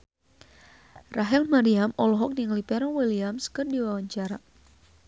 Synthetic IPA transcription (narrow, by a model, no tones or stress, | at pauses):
raɦɛlmaɾiamɔlɔɦɔk̚niŋlipɛɾɔwiliamskɨrdiwawaɲt͡ʃaɾa